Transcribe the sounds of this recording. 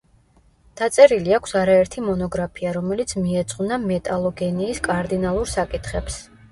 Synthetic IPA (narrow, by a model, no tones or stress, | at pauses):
d̪̥at̪sʼɛɾiliakʷʰsaɾaɛɾt̪ʰimɔnɔɡɾapʰiaɾɔmɛlit̪sʰmiɛd̪sʼqʼvnamɛt̪ʼalˠɔɡɛniːskʼaɾd̪inalˠuɾsakʼit̪ʰχɛps